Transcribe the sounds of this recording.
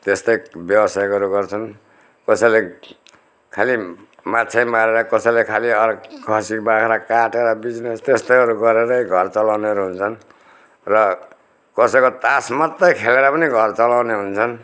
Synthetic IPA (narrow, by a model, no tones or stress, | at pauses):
t̪est̪ʌjbjʌbʌsajkʌɾuɡʌrt͡sʰʌn | kʌsʌjle | kʰali | matt͡sʰajmaɾeɾʌkʌsʌjlekʰaliʌrkʰʌsikbakʰeɾʌkaʈeɾʌbid͡znest̪est̪ʌjɦʌɾuɡʌɾeɾʌjɡʱʌrt͡sʌlawneʌɾuɦunt͡sʰʌn | rʌ | kʌsʌjkot̪asmʌt̪ːʌjkʰeleɾʌpʌniɡʱʌrt͡sʌlawneɦunt͡sʰʌn